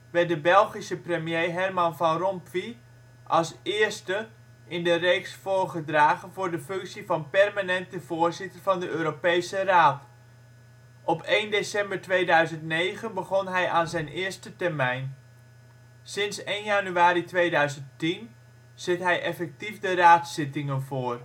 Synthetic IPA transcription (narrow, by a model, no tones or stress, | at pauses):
ʋɛt̚dəbɛlˠχisəprəmjejɦɛrmɑnvɑnrɔmpfi | ʔɑlˠsɪːɹstə | ʔɪndərejksfʊːrχədraːχənvʊːɹdəfɵŋksivɑnpɛrmanɛntəvoːɹzɪtərvɑndəʔøːɾopejsəraːt | ʔɔpejndesɛmbəɹtʋejdœɥzəntnejχənbəχɔnɦɛjʔaːnzɛjnʔɪːɹstətɛrmɛjn | sɪnsejnjanyaːɾitʋejdœɥzənttin | z̥ɪtɦɛjʔɛfɛk̚tifdəraːtsɪtɪŋənvʊːr